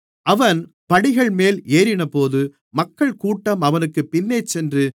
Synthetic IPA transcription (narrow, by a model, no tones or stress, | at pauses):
ʔɐʋɐn | pɐɽɪɣɐɭmeːleːɾɪnɐpoːðɯ | mɐkːɐɭkuːʈːɐmɐʋɐnɯkːɯpːɪnːeːt͡ʃːɛndrɯ